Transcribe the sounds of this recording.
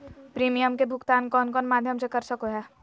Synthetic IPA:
pɾiːmijəmkebʱʊkt̪aːnkɔːnkɔːnmaːd̪ʱjəmsekɐɾsɐkoɦɛː

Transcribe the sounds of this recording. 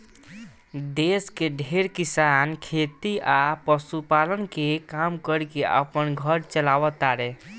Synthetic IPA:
d̪eskeɖʱeɾkisankʰet̪iʔapəsupalənkekamkəɾkeə̰pənɡʱəɾt͡ʃəlaʋət̪aɾe

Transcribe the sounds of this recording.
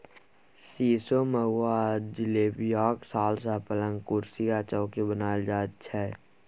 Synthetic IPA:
siːsoməɦwad͡ʒɪleːbjɔːksaːlsapələ̃ŋɡkʊɾsikat͡ʃəːkebənaːd͡ʒaːt̪t͡ʃʰɛ

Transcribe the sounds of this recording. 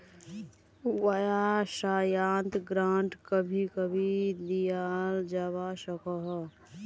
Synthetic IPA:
wəjasajant̪ɡɾãɳʈkəbʱikəbʱid̪ijald͡ʒaβasəkəɦ

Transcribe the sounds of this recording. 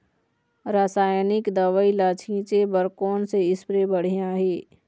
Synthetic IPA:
ɾaːsaːjnɪkd̪aʋailaːt͡ʃʰĩːt͡ʃebəɾkoːnseɪspɾebəɽ̤ijãɦeː

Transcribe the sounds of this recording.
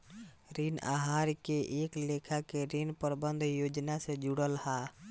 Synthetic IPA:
ɾina̰ɦaːɾkeʔeːklekʰakeɾinpəɾbənd̪ʱjoːd͡ʒnasẽd͡ʒuɽəlha

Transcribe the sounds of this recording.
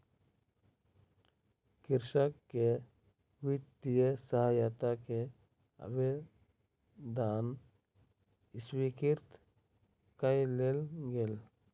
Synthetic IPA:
kiɾʃakːe | wit̪ːijesaɦajat̪ake | a̰be | d̪an | iswikiɾt̪ | kajlelɡel

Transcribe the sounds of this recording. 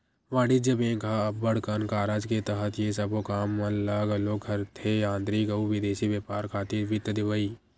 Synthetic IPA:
ʋãːɽid͡ʒəbẽːkaɐbːəɽ̤kənkaːɾaːd͡ʒket̪əɦət̪jesɐbokaːmːə̃laɡɐloɡʱɐɾt̪ʰejãːnd̪ɾiɡəuʋɪd̪eːʃiʋjeːpaːɾkʰaːt̪iʋɪt̪əd̪ɪʋəiː

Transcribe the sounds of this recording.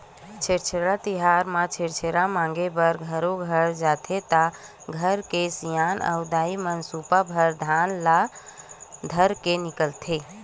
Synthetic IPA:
t͡ʃʰeɾt͡ʃʰɾat̪iɦaɾmãt͡ʃʰeɾt͡ʃʰeɾamãŋɡebəɾɡʱəɾoɡʱəɾd͡ʒat̪ʰet̪a | ɡʱəɾkesijanə̰ʊd̪aimənsupabʱəɾd̪ʱanla | d̪ʱəɾkenikəlt̪ʰe

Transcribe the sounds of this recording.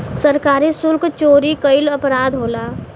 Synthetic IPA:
səɾkaːɾisʊlkt͡ʃoːɾikəɪləpɾaːd̪ɦoːlaː

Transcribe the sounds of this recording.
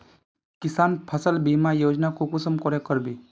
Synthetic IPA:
kɪsaːnpʰəsəlbimajoːd͡ʒnakokʊsəmkɔɾekəɾbi

